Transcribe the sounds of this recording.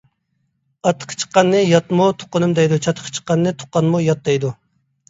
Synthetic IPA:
ɑt̪ʰːə̥qʰə̥t͡ʃʰə̥qːɑnːɨjɑt̪mut̪ʰo̥qːʊnɨmd̪ɛjd̪ut͡ʃʰɑt̪ʰəqʰə̥t͡ʃʰə̥qːɑnːɨt̪ʰo̥qːɑnmujɑt̪̚d̪ɛjd̪u

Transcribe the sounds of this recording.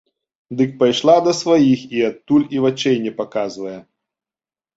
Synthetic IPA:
d̪ɨk̚pajʂlˠad̪ɐsvɐjixiat̪ːulʲivɐt͡ʃɛjnʲɛpɐkazvɐjɛ

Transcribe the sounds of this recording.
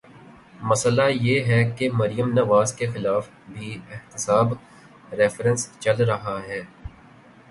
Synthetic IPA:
mɐslajeːɦɛkemɐɾijəmnɐʋaːzkexɪlaːf | bʱiɪht̪ɪsaːb | ɾɛfɾə̃nst͡ʃɐlɾɐɦaɦɛː

